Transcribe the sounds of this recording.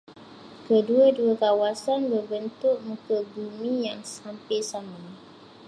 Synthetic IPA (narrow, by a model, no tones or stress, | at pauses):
kəduaduakawasanbərbənt̪ʊʔ̚mukəbumĩjaŋsampɛsama